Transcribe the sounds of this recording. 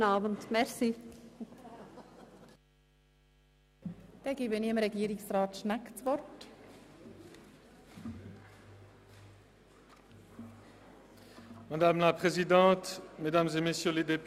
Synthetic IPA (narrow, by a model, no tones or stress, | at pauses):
nɑːbənt̪mɛʁsi | d̪̥ɛɡiːbəniɪmɾɛɡiːɾiksrɑːt̪ʃnakt͡sʋɔrt | mad̪amlapχezid̪ɑ̃t̪med̪amzemesjøled̪ep